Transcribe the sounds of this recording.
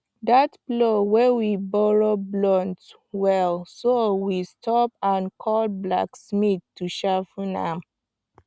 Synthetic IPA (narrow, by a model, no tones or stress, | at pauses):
datblowɛwibɔɹoblɔ̃nt | wɛlsowistʰɔpãnkʰɔlbla̰ksmiθtːuʃafunã̰m